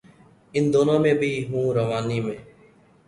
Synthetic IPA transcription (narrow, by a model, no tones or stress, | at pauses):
ɪnd̪oːnãːmẽːbiːɦũːɾəʋaːniːmẽː